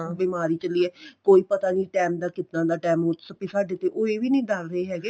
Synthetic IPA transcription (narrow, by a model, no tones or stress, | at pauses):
biːmaːɾiːt͡ʃəliːɛːkoːiːpət̪aːniːʈɛːmd̪aːkɪt̪nãːd̪aːʈɛːmot͡ʃsəpisaːɖeːt̪eːʔoːeːʋiːnəĩːɖəɾɾəeːɦɛːɡeː